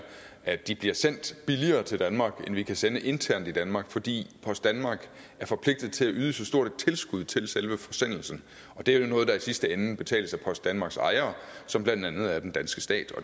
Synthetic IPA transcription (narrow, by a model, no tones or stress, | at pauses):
ʔæd̥ib̥liɐsen̰d̥b̥iliɐːt͡sʰe̝ld̥ænmɑ̈ːɡ̥enʋikʰæsenəʔe̝nt͡sʰæɐ̰nd̥id̥ænmɑ̈ːɡ̥fɒ̽d̥ḭːpʰɒ̽sd̥ænmɑ̈ːɡ̥ | æɐfɒ̽pʰle̝ɡ̥̚d̥ð̞̩ˠt͡sʰe̝læʔyːð̞ˠəsɒ̽sd̥o̝ɐ̰d̥t͡sʰe̝lsɡ̥uð̞̰ˠt͡sʰe̝lselʋəfɒ̽sen̰l̩sn̩ | ɒ̽d̥e̝æjo̝nɔ̽ːð̞̩ˠd̥ɑ̈isisd̥əenb̥e̝t͡sʰɛ̰ːləsæpʰɒ̽sd̥ænmɑ̈ːɡ̥sɑ̈ɪɐːsɒ̽mb̥lænd̥ænð̞̩ˠæɐd̥end̥ænsɡ̥əsd̥ɛ̰ːd̥ɒ̽